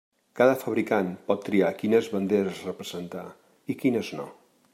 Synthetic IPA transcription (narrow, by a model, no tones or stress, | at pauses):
kaðəfəβɾikanpɔt̪ːɾiakinəzβənd̪eɾəzrəpɾəzənt̪a | ikinəzno̰